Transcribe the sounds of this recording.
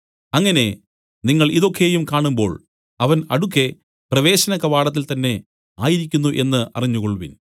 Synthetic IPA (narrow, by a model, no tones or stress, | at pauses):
ɐŋːɐne̞ | niŋːɐɭiðo̞kʰːe̞jumkaːɳumbo̞ːɭ | ɐʋɐnɐɽukːe̞ | prɐʋe̞ːɕɐnɐkːɐʋaːɽɐt̪̬ːilt̪ɐnːe̞ | aːjiɾikʲːunːuʔe̞nːɨʔɐ̰riɲːukoɭuʋḭn